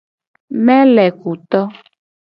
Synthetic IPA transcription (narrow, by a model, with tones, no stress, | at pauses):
mɛ̃˦lɛ˨ku˨t̪ɔ˦